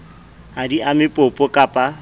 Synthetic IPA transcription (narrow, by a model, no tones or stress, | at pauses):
adiʔamɪpʼʊpʼɔkʼapʼa